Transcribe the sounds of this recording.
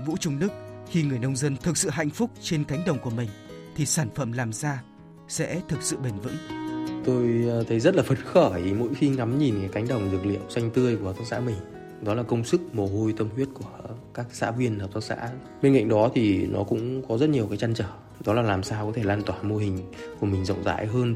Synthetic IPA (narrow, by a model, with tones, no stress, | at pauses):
vṵ˧˥t͡ɕʊ˧ŋ͡mnɨ˦˥k̚xi˧ŋɨ˨˩əjnə˧wŋ͡mzə˧nt̪ʰɨ˨˩k̚sɨ̰˧˨ɦa̰˧˨jŋ̟fʊ˦˥k͡p̚t͡ɕe˧nka˨˦jŋ̟ɗə˨˩wŋ͡mku˧˩əmï˨˩ŋ̟t̪ʰi˨˩saː˧˩nfə˧˩mlaː˨˩msaː˧ | sɛ̰˧˥t̪ʰɨ˨˩k̚sɨ̰˧˨ɓe˨˩nvɨ̰˧˥ŋt̪o˧jt̪ʰə˨˦jzə˦˥t̚laː˨˩fə˨˦˩t̚xəː˧˩˨mo̰˧˥jxi˧ŋa˨˦mɲi˨˩nkaː˨˦jka˨˦ŋ̟ɗə˨˩wŋ͡mzɨ˨˩ək̚lḭ˧˨əwsa˧jŋ̟t̪ɨ˧əjku˧˩ət̪ʰa˦˥k̚sa̰ː˧˥mï˨˩ŋ̟ | ɗɔ˨˦laː˨˩kə˧wŋ͡msɨ˦˥k̚mo˨˩ɦo˧jt̪ə˧mhwi˦˥ət̚ku˧˩əkaː˦˥k̚sa̰ː˧˥vwi˧ənːaː˨˩t̪ʰːk̚sa̰ː˧˥ | ɓe˧nŋka̰˧˨ŋ̟ɗɔ˨˦t̪ʰi˨˩nɔ̰˨˦kʊ̰˧˥ŋ͡mkɔ˨˦zə˦˥t̚ɲi˨˩əwkaː˨˦jt͡ɕa˧nt͡ɕəː˧˩ | ɗɔ˨˦laː˨˩laː˨˩msaː˧wkɔ˨˦t̪ʰe˧˩laː˧nt̪waː˧˩mo˧ɦï˨˩ŋ̟ku˧˩əmï˨˩ŋ̟zə̰˧˨wŋ͡mza̰ː˧˥jɦəː˧n